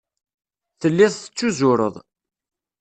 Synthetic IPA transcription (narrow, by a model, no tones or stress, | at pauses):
θəlːiθθə̥t͡sːuzʊɾə̰ðˤ